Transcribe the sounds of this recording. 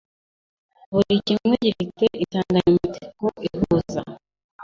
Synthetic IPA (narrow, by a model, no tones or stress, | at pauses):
βuɾicimŋeɟiɾit͡seʔitaːŋɡaɲiitekoʔiɦuːza